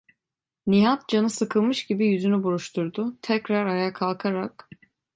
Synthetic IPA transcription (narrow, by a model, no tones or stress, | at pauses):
nijat̪̚d͡ʒanɯsɯkʰɯlˠmɯʃɟibijyzynybuɾuʃt̪ʰuɾd̪ʊt̪ʰɛcɾaɾajakʰalˠkʰaɾak